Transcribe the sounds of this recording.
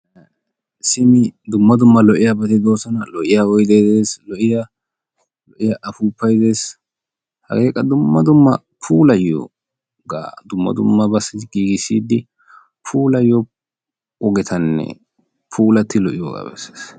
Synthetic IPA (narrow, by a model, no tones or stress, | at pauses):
sɪmɪd̪ʊmːɐd̪ʊmːɐlɔʔɪjabɐt̪ɪd̪o̞ːsɔnɐlɔʔɪjaɔjd̪ejd̪eːslɔʔɪja | lɔʔɪjaʔɐfuːpːɐjd̪e̞ːs | hɐ̰ɡe̞ːkʼɐd̪ʊmːɐd̪ʊmːɐ | pʰuːlɐjːo̰ː | ɡa̰ːd̪ʊmːɐ̰d̪ʊmːɐbɐsːɪɡiːɡɪsːiːd̪ɪ | pʰuːlɐjːɔ | ɔɡɛt̪ʰɐnːɛ̰ | pʰuːlɐt̪ːɪlɔʔɪjo̰ːɡa̰bɛ̰se̥ːs